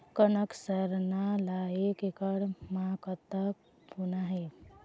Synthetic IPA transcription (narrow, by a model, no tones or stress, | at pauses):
kənəksəɾnalajekekəɽmãkət̪ək̚ | bunaɦe